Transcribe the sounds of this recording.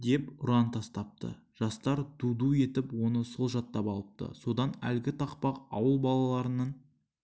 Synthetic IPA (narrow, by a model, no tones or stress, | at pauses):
d̪e̞pʊɾɑnt̪ʰɑst̪ɑp̚t̪ə̰ | ʒ̥ɑst̪ɑɾd̪ud̪ue̞t̪ɪpwo̞nəsolˠʒɑt̪ːɑpɑlˠəp̚t̪ə̰so̞d̪ɑnæ̰lɡʲɪt̪ʰɑqpɑqɑwəlˠbɑlˠɑlˠɑɾənɑn